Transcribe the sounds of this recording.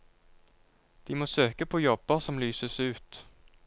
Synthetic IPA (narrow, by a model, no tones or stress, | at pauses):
d̪̥ɪmoːsøːkəpʰɔjɔbːəsɔmlyːsəsʉ̟ːt̪